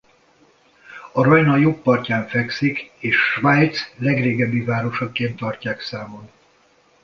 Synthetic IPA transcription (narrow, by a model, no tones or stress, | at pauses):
ɒɾɒjnɒjopːɒrcaːɱfɛksikeːʃːvajt̪slɛɡreːɡɛbːivaːɾo̞ʃɒkeːnt̪ːɒrcaːksaːmon